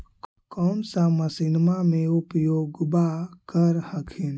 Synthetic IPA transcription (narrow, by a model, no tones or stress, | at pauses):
kɔːnsaməsɪnmamẽʊpjoːɡbakəɾhəkʰin